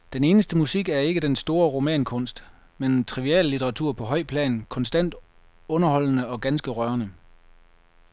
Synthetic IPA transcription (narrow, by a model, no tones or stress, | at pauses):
d̥ene̝ːnəsd̥əmusiɡ̥æɐe̝ɡ̥əd̥ensd̥o̝ːɐʁo̝mɛ̰ːnkʰɔ̽n̰sd̥ | ment͡sʰʁiʋiɛ̰ːlːit͡sʰeʁɑ̈t͡sʰuɐ̰pʰɒ̽ɦɒ̽ɪ̰pʰlɛ̰ːnkʰɒ̽nsd̥æn̰d̥ | ɔ̽nɐhɒ̽l̰nəɒ̽ɡ̥ænsɡ̥əʁɶɐnə